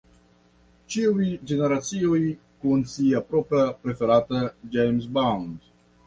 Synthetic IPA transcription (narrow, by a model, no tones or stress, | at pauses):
t͡ʃiujd͡ʒe̞ne̞ɾat͡sioj | kunsiapɾopɾapɾe̞fe̞ɾatad͡ʒejms̬bawnd